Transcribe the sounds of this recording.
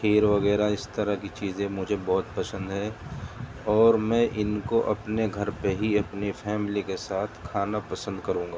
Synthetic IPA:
eːɾʋɐɣɛːɾaɪst̪ɐɾakit͡ʃiːzẽmʊd͡ʒʱebɔːt̪̚pɐsə̃nd̪ɦɛ̃ː | ɔːɾmɛ̃ːʔɪnkoʔɐpneɡʱɐɾpeɦiɐpnifʰɛːmɪlikesaːt̪ʰkʰaːnapɐsə̃nd̪kɐɾũːŋɡaː

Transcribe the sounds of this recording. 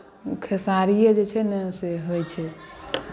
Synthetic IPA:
ukʰesaɾijed͡ʒet͡ʃʰɛneseɦojt͡ʃʰɛ

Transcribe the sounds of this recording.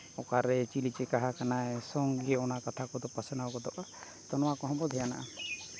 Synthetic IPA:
ɔkaɾɛt͡ʃilit͡ʃɛkaɦakanaɛsɔŋɡɛɔnakat̪ʰakɔd̪ɔpasɛnaɔkɔd̪ɔʔa | t̪ɔnɔwakɔɦɔ̃bɔd̪ʱɦɛjana̰ʔa

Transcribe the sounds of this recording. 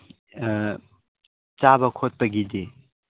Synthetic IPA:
t͡ʃabɐkʰot̚pɐɡide

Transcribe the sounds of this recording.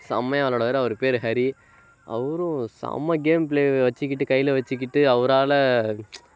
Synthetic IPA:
sɐmɐjaːloːɽɐʋɐːɾɐʋɐɾɯpeːɾɦɐɾi | ɐ̰ʋɐɾʊ̃sɐ̰mɐɡeːmpleːʋɐt͡ʃːɪk̬ʲːɪʈːɯkɐjːɪlɐʋɐt͡ʃːɯk̬ːɪʈːɯɐʋɐɾaːlɐ

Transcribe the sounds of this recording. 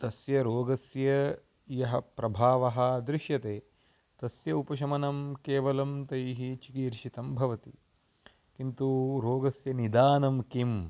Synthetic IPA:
t̪ɐsjɐɾoːɡɐsjɐ | jɐɦɐ̆pɾɐbʱaːʋɐɦɐd̪ɾiʃjɐt̪eː | t̪ɐsjɐupɐʃ̬ɐmɐnɐmkeːʋɐlɐmt̪ɐjɦit͡ʃikiːɾʃit̪ɐmbʱɐʋɐt̪i | kint̪uɾoːɡɐsjɐnid̪aːnɐmkim

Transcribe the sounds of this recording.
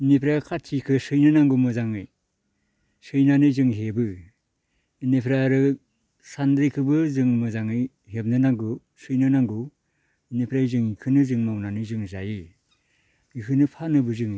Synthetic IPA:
inipʰɾakʰatʰikʰɯsɯjnɯnaŋɡumɯzaŋɯj | sɯjnanɯzɯŋɦebɯ | inepʰɾaɾɯ | sandɾikʰɯbɯzɯŋmɯzaŋɯj | ɦeb̚nɯnaŋɡu | sɯjnɯnaŋɡu | inipʰɾajzɯŋikʰɯnɯzɯŋmawnanɯzɯŋzajɯ | ikʰɯnɯpʰanɯbɯzɯŋj

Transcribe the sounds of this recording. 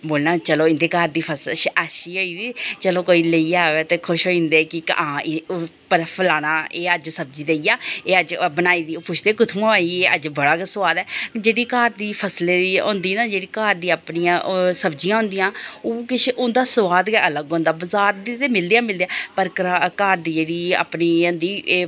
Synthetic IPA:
boːlnãːt͡ʃəloːɪ̃nd̪eːkaːɾd̪iːpʰəsʃaʃiːɦoːiːd̪iːt͡ʃəloːkoːiːləiaːʋeːt̪eːkʰʊʃɦoːĩnd̪eːkɪãːɪpəɾpʰəlaːnãːʔeːəd͡ʒsəb̚d͡ʒiːd̪eijaːeːəd͡ʒbənaːiːd̪iːopʊt͡ʃʰd̪eːkʊt̪ʰmõaːieːəd͡ʒbəɽaːksʋaːd̪ɛːd͡ʒeːɽiːkaːɾd̪iːpʰəslẽːiːõ̰ːnd̪iːnaːd͡ʒeːɽiːkaːɾd̪ĩːaːpɳiːãːsəbd͡ʒijãːɦʊ̃nd̪ijãːoːkɪt͡ʃʰʊnd̪aːsəʋaːd̪kələɡɦõːnd̪aːbəzaːɾd̪iːt̪eːmɪld̪ijãːmɪld̪aːpəɾkaːɾd̪iːd͡ʒeːɽiːa̰ːpnĩːnd̪iː

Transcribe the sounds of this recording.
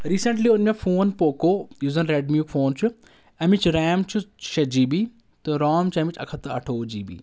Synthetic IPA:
ɾiːsɐ̃ɳʈliːʊnmefʰoːnpoːkoːjuːzɐnɾeɖmjuːkfʰoːnt͡ʃu | ɐmɪt͡ʃɾɛːmt͡ʃʰuʃɐd͡ʒiːbiː | t̪eɾaːmt͡ʃɐmɪt͡ʃɐ̰kʰɐt̪ɐɐ̰ʈʰoːd͡ʒiːbḭː

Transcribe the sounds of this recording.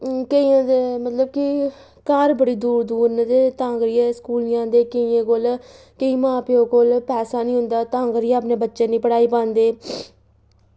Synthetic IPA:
kəiːãːd̪eːmət̪ləbkɪ | kaːɾbəɽiːd̪uːɾd̪uːɾnd̪eːt̪ãːŋɡɾiːɛːskuːlɪjãːd̪eːkəiːẽːkoːl | kəiːmãːpeoːkoːlpɛːsaːnĩːɦʊ̃nd̪aːt̪ãːŋɡɾijaːəpneːbətːʃẽːnĩːpəɽaːiːpãːnd̪eː

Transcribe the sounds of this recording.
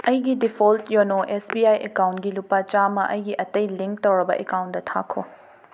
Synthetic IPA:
ɐjɡidipʰoltjonoʔesbiajʔekawntɡilupɐt͡ʃamɐʔɐjɡiʔɐtɐjliŋk̚tɐwɾɐbɐʔekawntdɐtʰa̰kʰo̰

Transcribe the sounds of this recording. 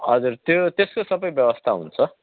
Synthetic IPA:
ʌd͡zurt̪jot̪eskosʌbʌjbjʌbʌst̪ʰaɦṵnt͡sʰʌ

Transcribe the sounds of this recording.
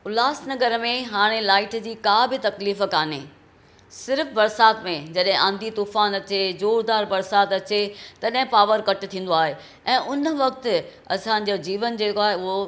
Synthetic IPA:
ʊlaːsnɐɡəɾmẽɦaːɽ̃elaːɪʈd͡ʑiːkaːbɪt̪ɐkliːfəkaːneː | sɪɾfbɐɾsaːt̪mẽd͡ʑɐɗɦɪ̃ʔãːnd̪ʱit̪uːfaːnɐt͡ɕed͡ʑoːɾd̪aːɾbɐɾsaːt̪ɐt͡ɕet̪ɐɗɦɪ̃paːʋəɾkɐʈt̪ʰĩːn̆d̪oaːɦe | ɛ̃ːʔʊnə̆ʋɐk̚t̪ɪ̆ | ɐsãd͡ʑoːd͡ʑiːʋənd͡ʑeːkoaːɦeʊɦo

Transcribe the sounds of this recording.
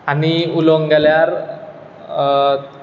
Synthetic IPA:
aniuloŋɡaljaɾ

